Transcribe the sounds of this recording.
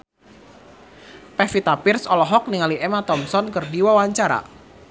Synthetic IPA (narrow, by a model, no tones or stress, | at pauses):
pɛfit̪apɪrsɔlɔɦɔk̚niŋaliʔɛmat̪ɔmsɔnkərdiwawaɲt͡ʃaɾa̰